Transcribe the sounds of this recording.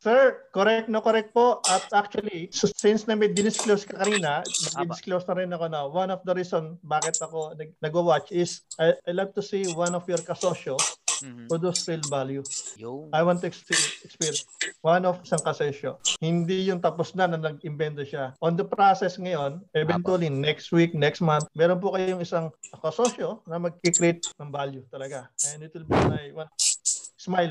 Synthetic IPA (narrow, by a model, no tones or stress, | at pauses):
sɛɹkoɾɛk̚t̚nokoɾɛk̚t̪̚poʔɐt̪̚ʔak̚t͡ʃuɐlissɪnsnɐmɛd̪ɪd̪ɪskloskɐkɐniːnɐnɐɡ̪idɪsklowsnɐɾɪnɐkonowanɔfd̪ɐɾiːsonbaːkɪt̪ɐkonɐɡ̚nɐɡowat͡ʃɪsʔajʔajlak̚t̪ʊsiwanɔfjɔɹkɐsoʃopod̪usfilvaljuʔɐjwant̪ːuɛkspiɛkspiɹwanofɪsaŋkɐsɛʃohɪnd̪ijʊŋt̪ɐpʊsnɐnɐnɐɡɪmbɛnt̪oʃaʔõnd̪ɐpɾasɛsŋɐjo̞nʔɛvɛ̃nt̪uɐlinɛkst̪wik̚nɛkst̪manθmɛːɾonp̬ʊkɐjoŋɪsaŋkɐsoʃonɐmɐɡ̚kɪkɾɪt̪̚nɐŋbaljut̪ɐlɐɡaɐnit̪ɪlbanɐjwansmajl